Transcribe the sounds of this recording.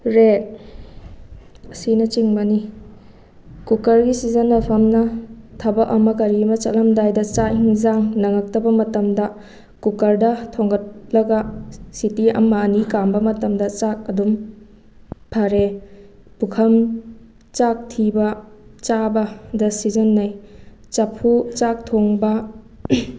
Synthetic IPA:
ɾet̚ | ɐsinɐt͡ʃiŋbɐni | kukɐɾɡisizɐnːɐpʰɐmnɐtʰɐbɐʔɐmɐkɐɾimɐt͡ʃɐ̰tlɐmdajdɐt͡ʃahiŋzaŋnɐŋɐk̚tɐbɐmɐtɐmdɐ | kukɐɾdɐtʰoŋɡɐt̚lɐɡɐsitiɐ̰mɐːnikambɐmɐtɐmdɐt͡ʃak̚ɐdum | pʰɐɾe | pukʰɐm | t͡ʃak̚tʰibɐt͡ʃabɐdɐsizɐnːɐj | t͡ʃɐpʰut͡ʃak̚tʰoŋbɐ

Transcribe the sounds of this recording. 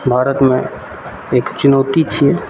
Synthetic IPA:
bʱaːɾət̪mẽ | eːkt͡ʃʊnoːt̪it͡ʃʰiɛ

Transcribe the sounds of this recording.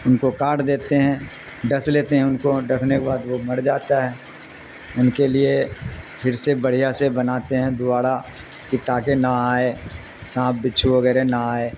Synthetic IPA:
ʊnkokaːʈd̪eːt̪eɦɛ̃ | ɖɐsleːt̪eɦɛ̃ʊnkoɖɐkʰnekebaːd̪ʋomɐɽd͡ʒaːt̪aɦɛː | ʊnkeliepʰɪɾsebɐɽ̤ijasebɐnaːt̪eɦɛ̃d̪ʊaːɽa | kit̪aːkenaaːe | sãːpʰbɪːt͡ʃʰuʋɐɡɛːɾenaaːeː

